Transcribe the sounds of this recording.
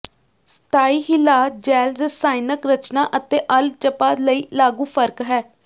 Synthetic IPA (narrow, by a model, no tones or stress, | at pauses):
st̪ʰaːiːɦɪlaːd͡ʒɛːlɾəsaːɪnəkɾət͡ʃnaːʔət̪eːʔəlt͡ʃəpaːləiːlaːɡũːpʰəɾkɦɛː